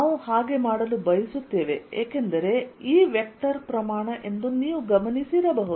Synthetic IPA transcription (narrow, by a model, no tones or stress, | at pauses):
nnaːʋuhaːɡe̞maːɽɐlubɐjisut̪ːe̞ːʋe̞eːke̞nd̪ɐɾe̞iːʋjek̚t̪ɐɾpɾɐmaːɳɐʔe̞nd̪uniːʋuɡɐmɐnisiɾɐbɐɦud̪